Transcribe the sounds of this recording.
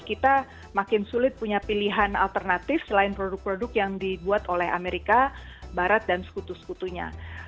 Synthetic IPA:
kit̪a | makɪnsulɪt̪̚puɲapiliɦana̰lt̪ərnat̪ɪfsəlaɪnpɾodʊk̚pɾodʊkjaŋdibuat̪olɛɦa̰meɾikabaɾat̪̚dansə̥kut̪usə̥kut̪uɲa̰

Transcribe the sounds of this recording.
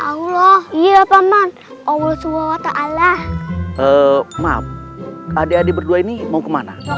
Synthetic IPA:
ʔaulɔhijaapaman | ʔɔwulsuwawat̪aʔalahʔəmap̚adeadebərduainimaukəmana̰

